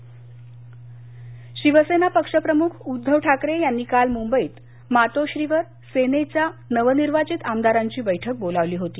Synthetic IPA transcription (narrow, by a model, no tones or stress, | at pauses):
ɕiʋəsenapəkʂəpɾəmukʰud̪ʱːəʋʈʰakɾejanːiːkalmumbəiːt̪ | mat̪oɕɾiːʋəɾ | senet͡ɕjanəʋəniɾʋat͡ɕit̪amd̪aɾaɲt͡ɕiːbəjʈʰək̚bolaʋliːɦot̪iː